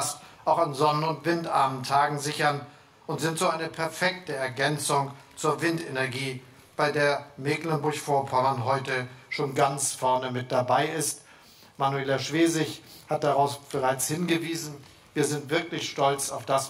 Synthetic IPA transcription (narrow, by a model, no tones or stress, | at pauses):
stʔaʊxanzɔnənʊntv̥ɪntʔaɐməntʰaːɡŋ̩zɪçɐn | ʔʊntz̥ɪntz̥oːaɪnəpʰɛɐfɛktəɛɐɡɛnt͡sʊŋt͡suːɐvɪntenɛɐɡiː | b̥aɪdeːɐmeːklɛnbʊɐçfoːɐpʰaanɦɔʏtəʃoːnɡant͡sfɛɐnəmɪt̚d̥abaɪɪst | manueːlaʃv̥eːzɪçhat̚d̥aʁaʊsb̥əʁaɪt͡shɪnɡəviːzn̩ | viːɐzɪntv̥ɪɐklɪçʃtɔlt͡saʊfd̥as